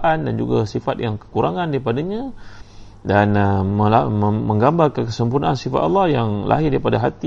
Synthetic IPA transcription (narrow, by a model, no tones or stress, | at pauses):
ʔandand͡ʒṵɡasifat̪̚jaŋkə̥kuɾaŋandaɾipadaɲa | danməlaəməŋɡambarkəkəsəmpurnaansifa̰t̪ɑlːɑhjaŋlʔa̰ɦɪdaɾipadaɦat̪i